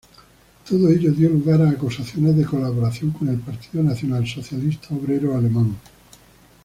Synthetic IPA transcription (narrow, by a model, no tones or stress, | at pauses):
t̪oðoeʎoðjo̞luɣaɾaːkusaθjo̞nezðeko̞laβo̞ɾaθjo̞ŋkone̞lpaɾt̪iðonaθjo̞nalso̞θjalist̪aoβɾe̞ɾoale̞mãŋ